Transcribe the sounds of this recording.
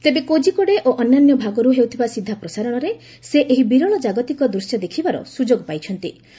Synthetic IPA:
t̪ebekod͡ʒikɔɽeʔoʔɔnːanjɔbʱaɡɔɾuɦewt̪ʰibasid̪ʱːapɾɔsaɾɔɽ̃ɔɾe | seʔeɦibiɾɔɭɔd͡ʒaɡɔt̪ikɔd̪ɾusjad̪ekʰibaɾɔ̰sud͡ʒoɡɔpajt͡ʃʰɔnt̪ḭ

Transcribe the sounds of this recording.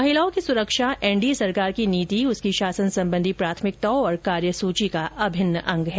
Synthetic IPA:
mɐɦɪlaõkisʊɾəkʃaʔɛ̃ːɳɖisɐɾkaːɾkiniːt̪iʊskiʃaːsənsɐ̃mbə̃nd̪ʱipɾaːt̪ʰmɪk̚t̪ɐoɔːɾkaːɾjəsuːt͡ʃikaʔɐbʱɪnːəʔɐ̃ŋɡɦɛː

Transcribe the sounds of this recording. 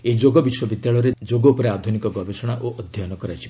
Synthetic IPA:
ed͡ʒoɡɔbiswɔbid̪jaɭɔɔɾed͡ʒoɡɔupɔɾead̪ʱunikɔɡɔbesɔɽ̃aʔoʔɔd̪ʱjɔjɔnɔkɔɾat͡ʃʰi̥

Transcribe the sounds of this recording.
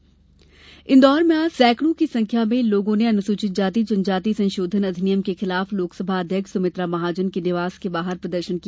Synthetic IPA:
ɪnd̪ɔːɾmẽaːsɛːkʰɽ̃õkisɐ̃ŋkʰjamẽloːɡõneɐnʊsuːt͡ʃɪt̪̚d͡ʒaːt̪id͡ʒɐ̃nd͡ʒaːt̪isɐ̃nʃoːd̪ʱənɐd̪ʱɪnijəmkexɪlaːfloːksəbʱaɐd̪ʱjəkʃsɐmɪt̪ɾamɐɦaːd͡ʒənkinɪʋaːz̥kebaːɦəɾpɾɐd̪əɾʃənki

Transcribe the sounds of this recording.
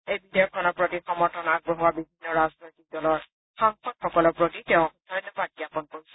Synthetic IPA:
ejbidjɔkʰɔnɔɹpɹotixɔmɔɹtʰɔnaɡ̚bɹɔɦuabibʱinːɔɹaznojtik̚dɔlɔɹ | xaŋxɔd̚xɔkɔlɔɹpɹotitɛʊ̃udʰʱɔjtɔpak̚iapɔnkoɹisɛ̥

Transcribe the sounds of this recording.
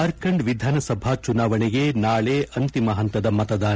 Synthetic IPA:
ɐɾkɐɳɖʋid̪ʱaːnɐsɐbʱaːt͡ʃunaːʋɐɳiɡenaːɭeːʔɐnt̪imɐɦɐnt̪ɐd̪ɐmɐt̪ɐd̪aː

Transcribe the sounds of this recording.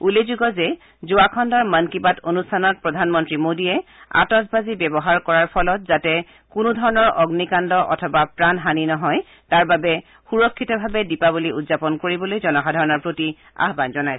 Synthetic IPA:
ulezuɡɔzɛ | zuakʰɔndɔɹmankibatonustʰanɔt̚pɹɔdʱanmɔntɹimodiɛa̰tɔsbazibɛbɔɦaɹkɔɹaɹpʰɔlɔt̚zatɛ | kʊnʊdʱɔɹɔnɔɹɔɡnikandɔʔɔ̰tʰɔbapɹanɦaninɔɦɔj | taɹbabɛ | xuɹɔkʰːitɔbʱabɛdipabuliudzapɔnkoɹibɔlojzɔnɔkʰadʱɔɹɔnɔɹpɹoti | a̰ɦbanzɔnaj

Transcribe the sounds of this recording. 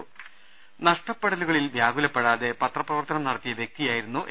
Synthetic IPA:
nɐʂʈɐpːeɽɐluɣɐɭilʋjaːɡulɐpːeɽaːðe̞pɐt̪rɐprɐʋɐrt̪ɐnɐmnɐɽɐt̪ːijɐʋjek̚t̪ijaːjiɾunːuʔ

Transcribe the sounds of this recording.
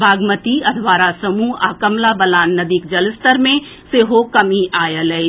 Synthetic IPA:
bʱaːɡmət̪iɐd̪ʰʋaːɾasɐmuaːkəmlabəlaːnːɐd̪ikd͡ʒɐlɪst̪əɾmẽ | seːɦokɐmiʔaːjələi

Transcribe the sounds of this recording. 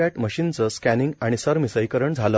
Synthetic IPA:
aʈməɕint͡səskæniŋɡaɽ̃isəɾmisəjkəɾəɳd͡zʱalə

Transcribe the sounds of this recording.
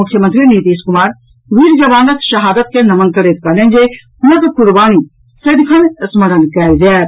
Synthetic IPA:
ʊkʰjəmɐnt̪ɾiniːt̪iːskʊmaːɾ | ʋiːɾd͡ʒɐʋaːnɐt̪ʃɐɦaːd̪ət̪̚kenɐmənkəɾeːt̪̚kɐɾnẽnd͡ʒe | hʊnɐk̪kʊɾbaːñi | sɐd̪kʰɐnsmɐɾənkɛd͡ʒɛː

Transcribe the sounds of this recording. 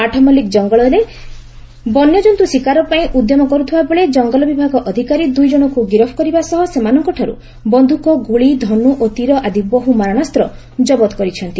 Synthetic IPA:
aʈʰɔmɔlikd͡ʒɔŋɡɔɭɔɾe | bɔnjɔd͡ʒɔnt̪usikaɾɔpaĩʔud̪jɔmɔkɔɾut̪ʰibaboɭed͡ʒɔŋɡɔlɔbibʱaɡɔʔɔd̪ʱikaɾid̪ujd͡ʒɔɽ̃ɔkuɡiɾɔpʰɔ̥kɔɾibasɔɦɔsemanɔŋkɔʈʰaɾṵ | bɔnd̪ʱukɔɡuɭid̪ʱɔnuʔot̪iɾɔʔad̪ibbɔɦumaɾaɽ̃ast̪ɾɔ | d͡ʒɔbɔt̪kɔɾit͡ʃʰɔnt̪i

